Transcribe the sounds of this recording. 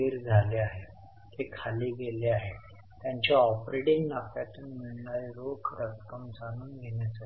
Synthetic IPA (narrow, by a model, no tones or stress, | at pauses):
eɾd͡zʱaleaɦe | k̪ekʰaliːɡeleaɦe | t̪jaɲt͡ɕaɔpɾeɽiŋɡnakjat̪uːnməɳnaɾokɾət̪kəmsanuːnɡʱeɳjat͡sə